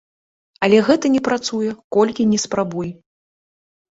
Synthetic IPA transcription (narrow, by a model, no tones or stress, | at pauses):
ɐlʲɛɣɛt̪ɐnʲɛpɾat̪sujɛkɔlʲkʲinʲɛspɾabuj